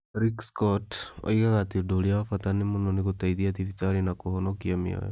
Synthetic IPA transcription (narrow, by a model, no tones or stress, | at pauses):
ɾikskɔto̰ikaɣatidoliawafatanimunonikutaiðiat̪ifitaɾinakuhonokiamḭo̰jɔ